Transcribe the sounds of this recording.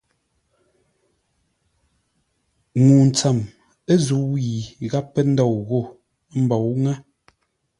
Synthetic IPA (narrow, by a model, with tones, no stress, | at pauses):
ŋuː˨n̩˨t͡sa˨m | e˦zu˨˦wi˨ɣa˦pːɛ˦n̩˦dɔ˦˨wɣo˦˨ | m̩˦bɔ˨wŋɛ˦